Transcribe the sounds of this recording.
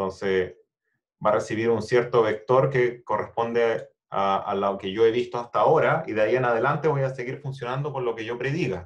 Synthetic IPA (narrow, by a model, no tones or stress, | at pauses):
t̪o̞nse | barʔesiβiɾunsje̞ɾt̪o̞βe̞k̚t̪o̞ɾke̞ko̞respo̞nd̪e | aa̰lake̞ʝo̞e̞βist̪oast̪ao̞ɾaiðeaie̞nað̞e̞lant̪eβo̞jase̞ɣiɾfuns̬jo̞nand̪oko̞nlo̞keʝo̞pɾe̞ðiɣa